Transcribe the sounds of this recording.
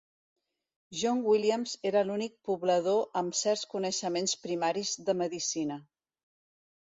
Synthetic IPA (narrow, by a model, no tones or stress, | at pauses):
ʒɔŋwiliəmzeɾəlunik̚puβləð̞oʔəmsɛɾskunəʃəmenspɾimaɾizðəməðisinə